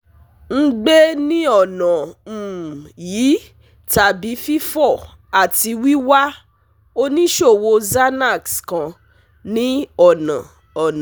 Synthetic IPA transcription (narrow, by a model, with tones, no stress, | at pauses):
ŋ̩˦ɡ͡be˦nĩ˦ɔ˦˨nã˨m̩˨jiː˨˦ | ta˨bi˨˦fi˦fɔ˦˨ | a˨ti˧wi˦wa˦ | o˦nĩ˦ʃo˦˨wo˧za˦na˦˨kskã˧ | nĩ˦ɔ˦˨nã̰˨ | ɔ˨nã˨